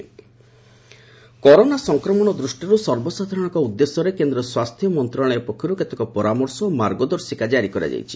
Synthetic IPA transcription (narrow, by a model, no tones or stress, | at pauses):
kɔɾonasɔŋkɾɔmɔɽ̃ɔd̪ɾusʈiɾusɔɾbɔsad̪ʱaɾɔɽ̃ɔ̃ŋkɔud̪ːesɔɾekend̪ɾɔswast̪ʰjɔmɔnt̪ɾɔɭ̃ɔepɔkʰːɔɾuket̪ekɔpɔɾamɔɾsɔːmaɾɡɔd̪ɔɾsikad͡ʒaɾikɔɾa̰d͡ʒa̰jt͡ʃʰi̥